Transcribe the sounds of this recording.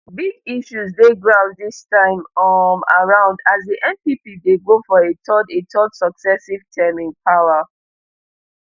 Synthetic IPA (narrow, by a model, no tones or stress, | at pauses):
biɡiʃuzdeɡɹavdistãɪ̃mma̰ɹãʊ̃ndazdiʔɛ̃npipideɡofɔetʰɔdetɔdsɔksɛsiv̥tʰɛmĩnpʰaʊa